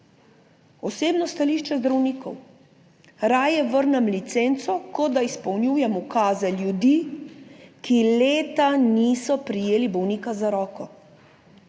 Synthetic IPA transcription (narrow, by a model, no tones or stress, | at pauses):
ɔseːbnɔst̪aliːʃt͡ʃɛzd̪ɾawniːkɔw | ɾaːjɛʋəɾnɛmlit̪sent̪sɔkɔd̪aispɔwnjuːjɛmukaːzɛljud̪iː | kileːt̪aniːsɔpɾijeːlibɔwniːkazaɾɔːkɔ